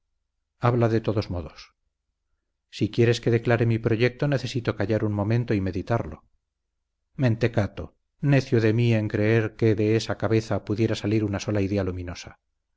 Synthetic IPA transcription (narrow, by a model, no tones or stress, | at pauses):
aβlaðe̞t̪o̞ðo̞zmo̞ðo̞s | sikje̞ɾe̞ske̞ðe̞klaɾe̞mipɾo̞ʝe̞k̚t̪o̞neθe̞sit̪o̞kaʝaɾuŋmõ̞mẽ̞nt̪o̞ime̞ðit̪aɾlo̞̰ | mẽ̞nt̪e̞kat̪o | ne̞θjoðe̞mie̞ŋkɾe̞eɾke̞ðe̞esakaβe̞θapuðje̞ɾasaliɾunaso̞laiðe̞alumĩno̞sa